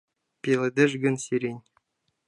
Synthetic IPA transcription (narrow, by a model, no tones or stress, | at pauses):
pʲelʲɘ̆d̪ʲɘ̆ʐɡʲɘ̆nsiɾʲenʲ